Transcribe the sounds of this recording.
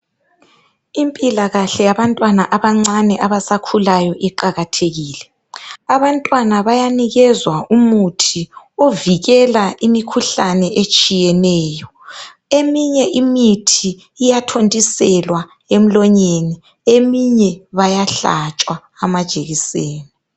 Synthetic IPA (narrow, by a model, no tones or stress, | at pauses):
impʼilaɣaɬɛjaβantʼwanaʔaβaŋ͡ǀanɛʔaβasakʰulajɔʔiǃaɣatʰeɣiːlɛ | aβantʼwanaβajaniɣɛzwaumutʰi | oviɣɛlaʔimikʰuɬanɛʔet͡ʃʼijɛnɛːjɔ | emiɲɛʔimitʰiː | jatʰontʼisɛlwa | em̩lɔɲeni | emiɲɛβajaɬa̰t͡ʃʼwaːmad̥ʒ̥ʱʼeɣiseːni